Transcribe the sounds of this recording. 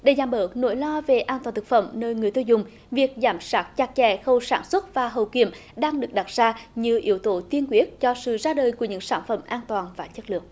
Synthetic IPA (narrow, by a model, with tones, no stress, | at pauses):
ɗe˨˧˩zaː˧˩mɓəː˨˦no̰˧˥˦jlɔ˧ve˨˩ʔaː˧nt̪waː˨˩nt̪ʰɨ˨˩k̚fə˧˩mnəː˧jŋɨ˨˩əjt̪ɨː˧zʊ˨˩ŋ͡m | vi˨˩ək̚zaː˨˩˦msaː˦˥t̚t͡ɕaː˧˩k̚t͡ɕɛ˧˩xə˧wsaː˧˩nswə˦˥t̚vaː˨˩ɦə˨˩wkḭ˧˩əmɗaː˧ŋɗɨ˨˩ək̚ɗa˨˩t̚z̥aː˧ɲɨ˧ʔḭ˧˦əwt̪o˧˨˦t̪i˧ənkwi˦˥ət̚t͡ɕɔ˧sɨ̰˧˨zaː˧ɗəː˨˩jku˧˩əɲɨ̰˧˥ŋsaː˧˩nfə˧˩mʔaː˧nt̪waː˨˩nvaː˨˩t͡ɕə˦˥t̚lɨ̰˨ək̚